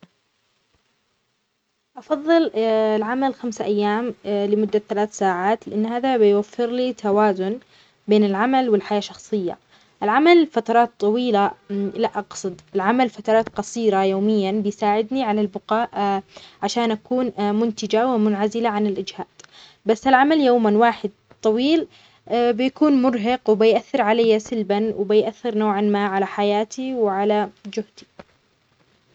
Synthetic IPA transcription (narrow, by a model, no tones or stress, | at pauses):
ʔɑfɑðˤːɨllʕamalxamsaʔajːaːmlɪmʊd̪ːaθalaːθsaːʕaːt̪lɪʔanːhaːðabɪjwafːɪɾlit̪ʰawaːzʊn | beːnɪlʕamalwɪlħajaːʃɑxsˤɨjːa̰ | ʔɪlʕamalfat̪ɑɾˤɑːt̪ˤːɑwiːlalaʔɑqsˤɨd̪ˤɪlʕamalfat̪ɑɾˤɑːt̪qɑsˤiːɾajoːmɪjːanbɪjsaːʕɪd̪niʕalalbʊqɑːʔʕaʃaːnʔakuːnmʊnt̪ɪd͡ʒawɪmʊnʕazɪlaʕanɪlʔɪd͡ʒhaːd̪̥ | basːalʕamaljoːmanwaːħɪd̪̚ | t̪ˤɑwiːl | bɪjakuːnmʊɾɦɑqwbɪjʔaθːɪɾʕalajːasɪlbanwɪbɪjʔaθːɪɾnoːʕanmaːʕalaħajaːt̪iwɪʕalad͡ʒʊhd̪i̥